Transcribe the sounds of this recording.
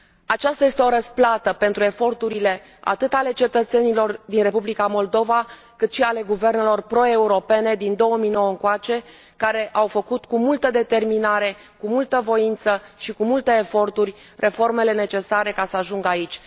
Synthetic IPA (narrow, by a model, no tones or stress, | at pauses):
at͡ʃast̪aje̞st̪eo̞ɾəsplat̪əpe̞nt̪ɾue̞fo̞rt̪uɾile̞ | a̰t̪ɨt̪ale̞t͡ʃe̞t̪ət̪se̞nilo̞rd̪inre̞publikamo̞ld̪o̞va | kɨt̪ʃiale̞ɡuve̞rne̞lo̞rpɾo̞e̞uɾo̞pe̞ne̞d̪ind̪o̞wəmijno̞wəəŋkoat͡ʃe̞ | kaɾe̞ʔawfəkut̪kumult̪əd̪e̞t̪e̞rminaɾe̞ | kumult̪əvo̞int̪səʃikumult̪eːfo̞rt̪urʲ | rʔe̞fo̞rme̞le̞ne̞t͡ʃe̞saɾe̞kasəaʒuŋɡait͡ʃʲ